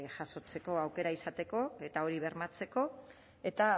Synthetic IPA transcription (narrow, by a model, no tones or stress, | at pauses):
ʝaso̞t͡se̞ko̞awke̞ɾaisat̪e̞ko̞e̞t̪ao̞ɾiβe̞ɾmat͡se̞ko̞ | e̞t̪a